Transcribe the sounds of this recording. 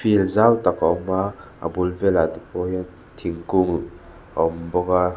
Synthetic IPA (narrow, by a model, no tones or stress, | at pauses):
filzawt̪akaɔma | a̰bulvɛlat̪upɔjan | t̪ʰiŋkuŋ | a̰ɔmbɔka